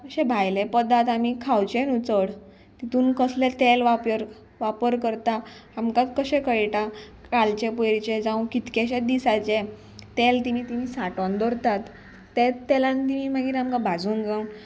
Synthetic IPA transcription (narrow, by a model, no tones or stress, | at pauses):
ɕẽbʱajlepəd̪at̪amikʰawt͡ɕẽnut͡səɽ | t̪it̪uːnkəslet̪elʋapəɾ | ʋapəɾkəɾt̪aamkat̪kəɕẽkəɭʈakalt͡ɕepojɾt͡ɕed͡zãw̃kit̪keɕɛd̪isat͡ɕe | t̪elt̪imiːt̪im̤iːsaʈɔnd̪ɔɾt̪at̪ː | et̪ːɛlãnt̪imiːmaɡiːɾamkabʱad͡zuːnd͡zawn